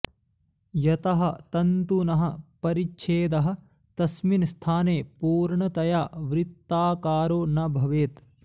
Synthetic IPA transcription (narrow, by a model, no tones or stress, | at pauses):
jɐt̪ɐɦɐ̆t̪ɐnt̪unɐɦɐ̆pɐɾit͡ʃʰeːd̪ɐɦɐ̆ | t̪ɐsminst̪ʰaːneːpuːɾɳɐt̪ɐjaːʋɾɪt̪ːaːkaːɾoːnɐbʱɐʋeːt̪